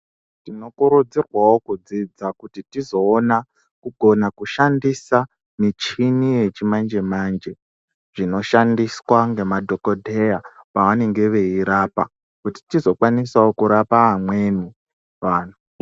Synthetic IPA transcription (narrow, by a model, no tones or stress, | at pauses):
tino̞kuɾud͡zirwawo̞kud͡zid͡zakutitizo̞ːna | kuɡʱo̞nakuʃandisa | mit͡ʃinije̞t͡ʃimand͡ʒe̞mand͡ʒe̞ | ʐ̥ino̞ʃandiswaŋɡe̞madʱo̞kodʱejapawane̞ŋɡe̞ʋe̞iɾaːpa | kuti̥tizo̞kwanisaokuɾapaɦamwe̞ni | ʋaːnu